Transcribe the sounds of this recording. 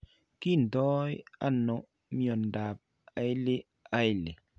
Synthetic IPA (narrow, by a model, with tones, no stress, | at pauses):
ki˦˨n̩˨dɔ˦ja̰˦no˨ | mjɔ˨n˨da˨p̚ | a˨jli˦ | a˦jle˨